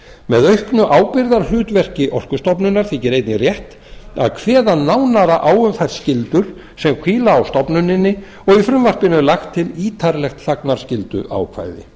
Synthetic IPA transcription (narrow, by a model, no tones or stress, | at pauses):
mɛðœɥhknʏʔaːwpɪɾðaɾ̥lʏːt̪vɛr̥cɪʔɔr̥kʏst̪ɔpnʏnːaɾ̥θɪːcɪɾejt̪nɪrjɛht̪ | a̰ðkʰv̥ɛːðanaːwnaɾaʔaːwʏmθaj̥scɪlt̪ʏɾ̥ | sɛmkʰiːlaːwst̪ɔpnʏnːɪnːɪ | ɔɣifɾʏmvar̥pɪnʏlaxt̪ʰːɪliːt̪ʰaɾlɛxt̪θaknaɾ̥scɪlt̪ʏ̰ʔa̰wkʰva̰jðɪ̰